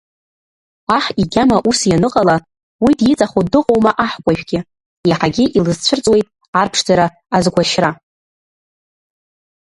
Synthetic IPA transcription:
aħiɡʲamaʔusjanɨqʼala | widjɪt͡sʼaχodɨqʼowmaʔaħkʷʼaʒᶣɡʲɪ | jaħaɡʲɪʔilɨzt͡ɕʷʰɨrt͡sʼwe̞jtʼ | arpʰʂd͡zaɾaː | zɡʷaʃra

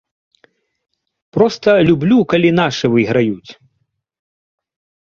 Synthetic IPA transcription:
pɾɔst̪ɐlʲublʲukalʲinaʂɨvɨɣɾajut͡sʲ

